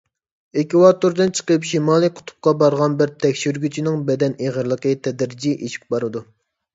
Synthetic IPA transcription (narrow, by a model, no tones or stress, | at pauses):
ekʲiwɑt̪uɾd̪ɨnt͡ʃʰə̥qəpʃimɑːlˠijqʰʊ̥t̪ʰʊ̥p̚qɑbɑɾʁɑnbɪɾt̪ʰɛkʲʃyɾɡʲyt͡ʃʰinɪŋbɛd̪ɛneʁəɾlˠəqət̪ʰɛd̪ɾd͡ʒiʔeʃʰi̥k̚ʲbɑɾɨd̪u